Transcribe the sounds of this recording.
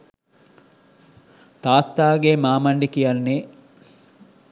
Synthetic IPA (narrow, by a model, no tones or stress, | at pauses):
t̪aːt̪ːaːɡemaːmɐɳɖikijanːe